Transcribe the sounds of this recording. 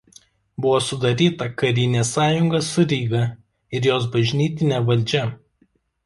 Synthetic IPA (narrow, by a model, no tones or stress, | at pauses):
bʊʋoːsʊd̪ɐɾʲiːt̪ɐkɐɾʲɪnʲeːsɑːjʊŋɡɐsʊɾʲiːɡɐ | ɪɾjoːsbɐʒʲnʲiːt̪ʲɪnʲeʋɐlʲˑd͡ʒʲɛ